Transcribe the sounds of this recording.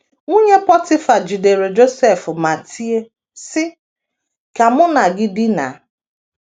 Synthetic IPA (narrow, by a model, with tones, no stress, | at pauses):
ŋu˦ɲe˦pɔ˦tɪ˦fa˨d͡ʒi˨de˨ɾe˨d͡ʒo˦sɛ˦˨fʊ˨ma˨tʰi˦e˦ | sɪ˦ | ka˨mʊ˦na˨ɡɪ˦dɪ˦na̰˨